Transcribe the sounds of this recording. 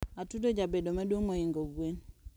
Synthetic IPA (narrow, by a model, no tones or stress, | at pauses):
atudod͡ʒabedomadwoŋmoiŋɡoɡwen